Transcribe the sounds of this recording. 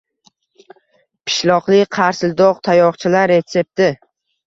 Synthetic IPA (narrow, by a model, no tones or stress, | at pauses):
pʰɪ̥ʃlɒqlˠɪqʰɑɾsɪld̪ɒqt̪ʰajɒqt͡ʃʰɪlaɾːe̞t̪se̞p̚t̪ɪ